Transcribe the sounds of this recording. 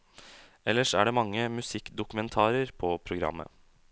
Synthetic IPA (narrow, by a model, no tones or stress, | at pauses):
ɛlːəʂæ̰ɖɛːmɑŋːəmʉsɪkːd̪ʊkʉmɛnt̪ʰɑːɾəɾpʰɔpʰɾʊɡɾɑ̰mːə̰